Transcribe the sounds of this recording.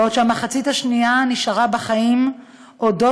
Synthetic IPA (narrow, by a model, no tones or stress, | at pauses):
ott͡ʃeamaχat͡sithaʃnianiʃaʁabeχaim | ʔo̞do̞